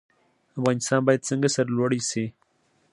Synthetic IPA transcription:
afɣɑnɪst̪ɑnbɑjad̪̚səŋɡasaɾalwaɽisi

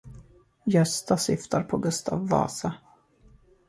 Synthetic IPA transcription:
jœst̪asɪft̪ʰaɾpʰɔɡɵst̪ʰɑ̰ːvːɑ̰ːsa

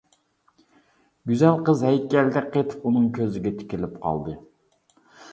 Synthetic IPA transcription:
ɡʲyzɛlˠqəzhɛjkʲɛld̪ɛqʰet̪ʰɪ̥punɨŋkʲʰøzɪɡʲɛt̪ʰɪ̥kʲɪlɪpqʰɑ̰lˠd̪ɨ

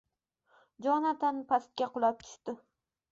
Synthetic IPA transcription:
d͡ʒɒnat̪ʰanpʰast̪̚kʲaqʰʊlˠap̚t̪ʰʊ̥ʃt̪ɪ

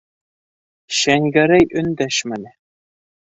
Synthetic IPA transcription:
ɕæŋɡæɾæjʔɵ̆nd̪æʃmænɘ

